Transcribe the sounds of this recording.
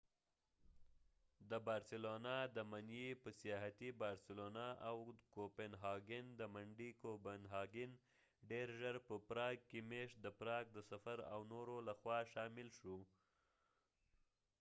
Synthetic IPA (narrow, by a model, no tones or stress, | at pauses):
d̪əbɑɾsɪlonɑd̪əmanjepəsijɑɦat̪ibɑɾsɪlonaʔawkopenɦɑɡɪnd̪əmaɳɖikobanɦɑɡɪn | ɖeɾʒəɾpəpɾɑɡ̚kemeʃt̪̚d̪əpɾɑɡ̚d̪əsafaɾa̰wnoɾolaxwɑʃɑmɪlʃu